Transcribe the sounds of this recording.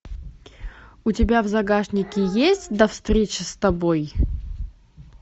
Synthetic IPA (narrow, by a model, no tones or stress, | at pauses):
ʊtʲɪbʲavzɐɡaʂnʲɪkʲɪjesʲtʲd̪ɐfst̪ɾʲet͡ɕɪst̪ɐboj